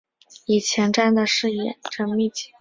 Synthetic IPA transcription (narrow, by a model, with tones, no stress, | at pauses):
i˨˩t͡ɕʰjɛ˧˥nʈ͡ʂa˥˩nd̪ə˨˩ʂɻ̩˥˩jɛ̰˨˩ʈ͡ʂə˥˧ŋmi˥˩t͡ɕi̥˥˩